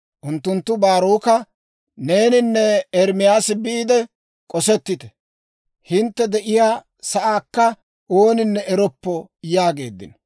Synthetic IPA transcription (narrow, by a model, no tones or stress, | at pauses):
ʔʊnt̪ːʊnt̪ːʊbaːɾoːkɐ | ne̞ːnɪnːɛɛɾmɪjaːsɪbiːd̪ɛ | kʼɔsɛt̪ːɪt̪ɛ̥ | hɪnt̪ːɛd̪ɛʔɪjaː | sɐʔaːkːɐ | o̞ːnɪnːɛɛɾɔpːɔjaːɡe̞ːd̪ːɪ̰n